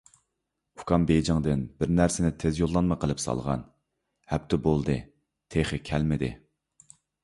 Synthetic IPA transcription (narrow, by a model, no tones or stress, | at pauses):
u̥kʰɑmbejd͡ʒɑŋd̪ɨnbɪɾnæɾsɪnɪt̪ʰezjolˠːɑnmɑqʰəlˠɨpsɑ̰lˠʁɑ̰n | hɛp̚t̪ʰɪbolˠd̪ɨ | t̪ʰeχɨkʲʰɛlmɪd̪ɪ̰